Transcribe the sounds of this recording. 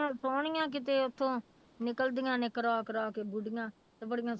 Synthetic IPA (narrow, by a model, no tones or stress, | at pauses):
ãːsɔːɳɪjãːk̬ɪt̪eːʊt̪ʰːõː | nɪkəld̪ɪjãːneːkəɾaːkɾɔːkeːbʊɖɪjãː | t̪eːbəɽɪjãː